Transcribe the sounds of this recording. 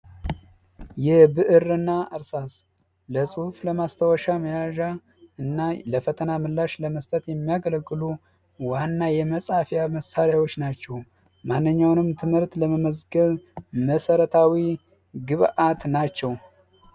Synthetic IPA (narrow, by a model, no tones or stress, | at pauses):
jɛhbɨʔɨɾɨnːaʔɨɾsas | ləsʼɨhfləmast̪ʰəwɔʃaməjaʒa | ɨnːaləfət̪ʰənamɨlːaʃləməst̪ʼət̪jɛmːijaɡələɡːɨlu | wanːajɛməsʼafjaməsaɾjawo̞t͡ʃːnat͡ʃːɛw | manːɨɲːawnɨmt̪ʰɨmhɨɾt̪ləməməzɡəβməsəɾət̪ʰawi | ɡɨβʔat̪nat͡ʃːɛw